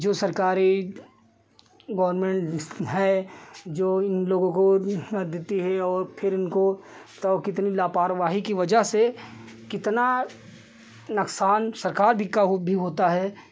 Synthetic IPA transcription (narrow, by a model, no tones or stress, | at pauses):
d͡ʒoːsɐɾkaːɾi | ɡɔːəɾmẽːɳʈɦɛːd͡ʒoːɪnloːɡõkod̪et̪iɦɛɔːɾpʰɪɾɪnko | t̪ɔkɪt̪nilaːpaːɾʋaːɦikiʋɐd͡ʒəɦse | kɪt̪na | nɐksaːnsɐɾkaːɾbʱikaɦbʱiɦoːt̪aɦɛː